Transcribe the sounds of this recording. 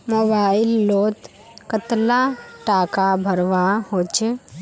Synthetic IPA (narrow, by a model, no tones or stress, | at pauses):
mobaɪlːoːt̪ | kət̪laʈaːkabʱəɾʋahot͡ʃe